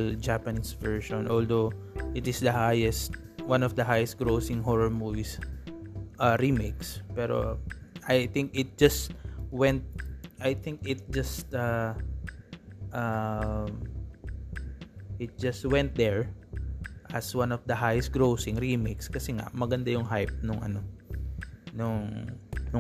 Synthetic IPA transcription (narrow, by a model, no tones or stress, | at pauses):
ld͡ʒapɐnisvɛɹʃɔ̃nʔold̪owʔɪt̪ɪsd̪ɐhajɛst̪̚ | wãnɔfd̪ɐɦajɛst̪̚ɡɹowsɪ̃ŋɦɔɹɐɹmuvis | ʔɐɹimekspɛɾo̰ʔajθɪ̃ŋkɪt̪̚d͡ʒɐst̪wɛ̃nt̪̚ʔajθɪ̃ŋkɪt̪̚d͡ʒɐst̪ɐ | ʔɐm | ʔɪt̪̚d͡ʒɐst̪̚wɛ̃nt̪̚d̪ɛɹ | ʔɐswanɔvd̪ɐɦajɛsɡɹowsɪ̃ŋɹimejkskɐsɛŋa̰mɐɡɐnd̪ajʊŋɦajp̚nʊŋʔɐ̰no̞ | nʊŋnʊ